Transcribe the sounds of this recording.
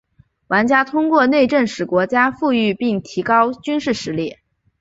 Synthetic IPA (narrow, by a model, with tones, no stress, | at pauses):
wa˧˥nt͡ɕja˥t̪ʰʊ˥ŋkwɔ˥˧ne˥˧ɪʈ͡ʂə˥˩nŋʂɻ̩˨˩kwɔ˧˥t͡ɕja˥fu˥˧y˥˧pi˥˩ŋt̪ʰi˧˥kɑ˥ʊt͡ɕy˥nʂɻ̩˥˩ʂɻ̩˧˥ljɛ˥˩